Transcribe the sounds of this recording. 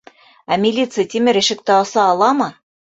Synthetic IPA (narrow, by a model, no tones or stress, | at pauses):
æmʲɪlʲit̪sɨjt̪ʲimɘɾɘ̆ʃɘ̆k̚t̪ɘɑsɑːlˠɑmɤ